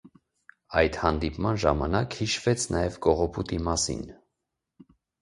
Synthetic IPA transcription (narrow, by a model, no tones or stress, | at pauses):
ɑjd̪hɑnd̪ipmɑnʒɑmɑnɑkhiʃvɛt͡sʰnɑjɛvɡɔʁɔpʰut̪imɑsḭn